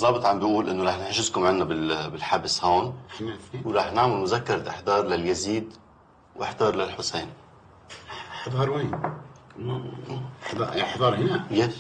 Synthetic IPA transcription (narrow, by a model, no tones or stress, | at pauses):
zˤɑːbɨt̪ˤʕambɪjʔuːlʔɪnːoɾˤɑːħnɪħʃɪzkʊmʕanːabɪlbɪlħabshoːnʕfiwɾˤɑːħnaʕmɪlmʊzakːɑɾˤt̪ʔɪħd̪ɑːɾˤlaljaziːd̪ | wʔɪ̰ħd̪ɑːɾˤlalħʊseːn | ħd̪ˤɑɾˤweːn | d̪ɑħd̪ˤɑːɾˤhɪnaja